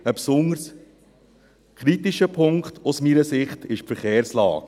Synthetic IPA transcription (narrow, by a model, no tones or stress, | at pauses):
əpsʊnəɾs | kʰɾitiʃəpʰʊŋkt̪ʰʊsmiːɾəsɪχtɪʃfəɾχeːɾslɑ̰ːk